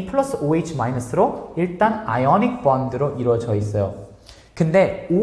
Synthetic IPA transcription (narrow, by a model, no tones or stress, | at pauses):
pʰɯɭʌsʰɯoit͡ɕʰmainosʰɯɾoiɭt͈anajʌnik̚p͈ʌndɯɾoʔiɾwʌd͡ʑʌis̬͈ʌjo | kɯnde̞o